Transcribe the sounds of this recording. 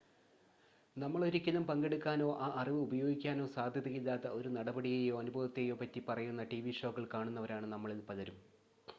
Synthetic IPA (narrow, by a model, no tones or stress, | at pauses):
nɐmːɐɭoɾikʲːɐnːumpɐŋɡeɽukːaːno̞ːʔaːʔɐriʋɨubɐjo̞ːɡikʲːaːno̞ːsaːd̪ʱjɐðiɣilːaːt̪ːɐʔo̞ɾunɐɽɐbɐɽiɣejo̞ːɐnubʱɐʋɐt̪ːejo̞ːpɐtːipɐrɐjunːɐʈiʋiʂo̞ːɣːɐɭkaːɳunːɐʋɐɾaːɳɨnɐmːɐɭilpɐlɐɾum